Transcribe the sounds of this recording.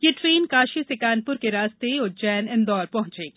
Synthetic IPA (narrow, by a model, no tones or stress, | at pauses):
jeʈɾeːnkaːʃisɪkaːnpʊɾkeɾaːst̪eɔd͡ʒɛːnɪ̃nd̪ɔːɾpɐɦʊ̃t͡ʃeː